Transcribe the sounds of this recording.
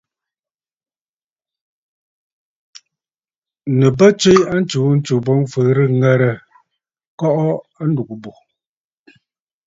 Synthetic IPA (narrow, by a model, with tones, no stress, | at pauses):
nə˨bə˦t͡ʃwe˦a˦n̩˦t͡ʃu˨˦n̩˦t͡ʃu˨bɔ˦ŋfə˨ɾɨ˦ŋɛ˦˨ɾə˨ | kɔ˦ʔɔ˦ | a˦ndu˨ku˨bu˨